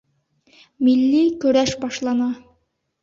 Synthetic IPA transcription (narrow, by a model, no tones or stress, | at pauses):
milːikɵ̆ɾæʃbɒʃlˠɑnɑ